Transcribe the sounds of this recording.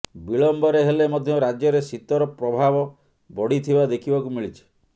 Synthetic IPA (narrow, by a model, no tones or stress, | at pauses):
biɭɔmbɔɾeɦelemɔd̪ʱjɔɾad͡ʒjɔɾesit̪ɔɾɔpɾɔbʱabɔ | bɔɽit̪ʰibad̪ekʰibɔkumiɭit͡ʃʰi̥